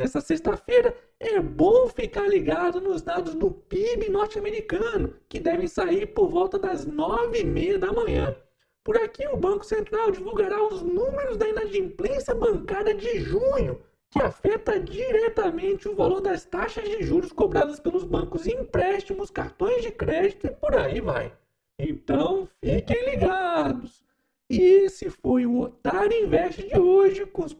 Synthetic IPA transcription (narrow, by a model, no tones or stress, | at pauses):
nɛsɐsest̪ɐfejɾɐ | ɛbõw̃fikaɾliɡad̪ʊnʊzsd̪ad̪ʊzd̪ʊpibɪnɔɾt͡ʃɪameɾikɐ̃nʊkɪd̪ɛvẽj̃saiɾpoɾvɔwt̪ɐd̪ɐznɔvɪmejɐd̪ɐmɐ̃ɲɐ̰̃ | pʊɾakiʊbɐ̃kʊ̥sẽnt̪ɾawd͡ʒivuwɡaɾaʊznũmeɾʊzd̪ɐĩnɐd͡ʒĩmplẽsjɐbɐ̃kad̪ɐd͡ʒɪʒũɲʊ | kɪafɛt̪ɐd͡ʒiɾɛt̪amẽnt͡ʃɪʊvaloɾd̪ɐst̪aʃɐzd͡ʒɪʒuɾʊskobɾad̪ɐspelʊzbɐ̃kʊziĩpɾɛst͡ʃimʊskaɾt̪õj̃zd͡ʒɪkɾɛd͡ʒit̪ʊɪpoɾaiva̰j | ẽnt̪ɐ̃w̃fikẽj̃liɡad̪ʊs | ɪsɪfojuot̪aɾĩvɛst͡ʃɪd͡ʒɪoʒɪkõs